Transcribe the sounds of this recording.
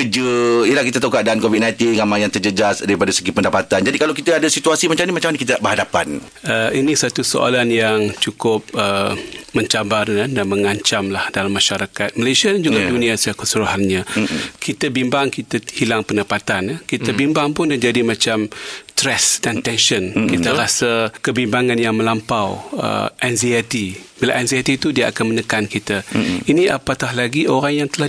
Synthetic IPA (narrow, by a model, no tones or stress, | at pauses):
kəd͡ʒəijəlahkit̪at̪aukaʔ̚daankovit̚nãjt̪inŋamãjaŋt̪ərd͡ʒəd͡ʒasdaɾipadaisəɡipəndapat̪and͡ʒadikalawkit̪aadasit̪uasimat͡ʃamnĩmat͡ʃamanakit̪aaʔbəɦadapan | əinĩsat̪uso̰ʔa̰lanjaŋt͡ʃukʊp̚əmə̃ɲt͡ʃabarandanmə̃ŋaɲt͡ʃamlahdalamːaʃaɾakat̪̚malajsiadand͡ʒuɡadunĩasəakəsəɾoɦanɲãkʰit̪abimbaŋkit̪ahilaŋpəndapat̪anəkit̪abimbaŋpʊndad͡ʒadimãt͡ʃamst̪ɾɛsdant̪ɛnʃənkit̪aɾasakəbimbaŋanjaŋmə̃lampawə̰ʔɛnziat̪ibilaʔɛnziat̪it̪udiaʔakanmənəkankit̪ainiʔa̰pat̪ahlaɡioɾaŋjaŋt̪əlah